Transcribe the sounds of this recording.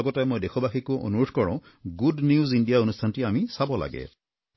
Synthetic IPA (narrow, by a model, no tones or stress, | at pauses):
ɡɔtajmojdekʰɔbaxikuʔo̰nuɹudʰʱkɔɹã̰ʊ̃ | ɡudniuzindijaonustʰantiamisabɔla̰ɡɛ̰